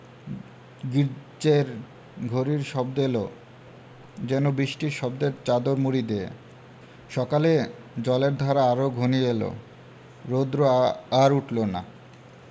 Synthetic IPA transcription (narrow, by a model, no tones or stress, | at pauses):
ɡiɾd͡ʑeɾ | ɡʱoɾiɾʃɔbd̪elo | d͡ʑɛnobiʃʈiɾʃɔbd̪eɾt͡ɕad̪oɾmuɾid̪eḛ | ʃɔkale | d͡ʑɔleɾd̪ʱɔɾaaɾoɡʱonielo̰ | ɾod̪ɾoaɾuʈlona̰